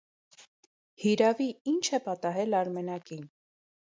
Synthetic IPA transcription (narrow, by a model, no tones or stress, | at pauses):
hiɾɑviint͡ʃʰɛpɑt̪ɑɦɛlɑɾmɛnɑkin